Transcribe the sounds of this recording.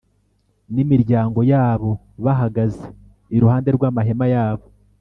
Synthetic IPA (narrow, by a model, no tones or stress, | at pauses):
nimiɾɟaːŋɡo̞jaːβo̞ | βaɦaɡaze | iɾuhaːnde̞ɾɡwaːmaɦe̞majaːβo̞